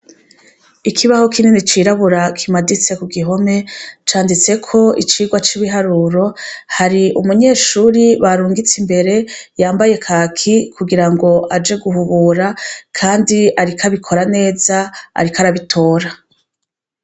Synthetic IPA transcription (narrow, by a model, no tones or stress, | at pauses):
ikʰiβaho̞kininit͡ʃiɾaβuɾakʰimadit͡se̞kuɡiɦo̞me̞t͡ʃaːndit͡se̞kʰo̞ḭt͡ʃiːɡwat͡ʃiβiɦaɾuːɾo̞haɾiʔṵmuɲe̞ːʃuːɾiβaɾuːŋɡit͡simbe̞ɾe̞jaːmbaje̞kʰaːkʰikuɡiɾaŋɡo̞ʔad͡ʒe̞ɡuhuβuːɾakʰaːndiaɾikʰaβikʰo̞ɾane̞ːzaa̰ɾikaɾaβitʰo̞ːɾa